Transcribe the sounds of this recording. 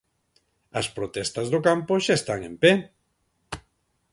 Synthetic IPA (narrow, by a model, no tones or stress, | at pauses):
ɐspɾot̪ɛst̪ɐzðokampoʃaest̪aŋḛmpe